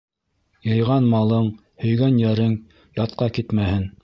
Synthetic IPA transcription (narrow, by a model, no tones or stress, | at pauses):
jɤ̆jʁɑnmɑlˠɤɴ | hɵ̆jɡænjæɾɘŋ | jɑt̪̚qɑkit̪mæhɘn